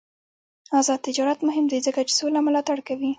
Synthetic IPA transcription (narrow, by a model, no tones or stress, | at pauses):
ɑzɑd̪̚t̪ːɪd͡ʒɑɾat̪mʊɦɪmd̪ezəkat͡ʃe̥solamʊlɑt̪aɽkawi